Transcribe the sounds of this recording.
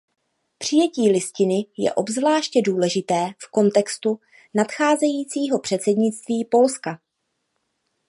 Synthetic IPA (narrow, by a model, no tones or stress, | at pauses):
pr̝̥ɪjɛciːlɪscɪnɪjɛ̰ʔo̞bzvlaːʃcɛduːlɛʒɪt̪ɛːfko̞nt̪ɛkst̪u | nat̪xaːzɛjiːt͡siːɦo̞pr̥ɛt̪t͡sɛdɲɪt͡st̪viːpo̞lska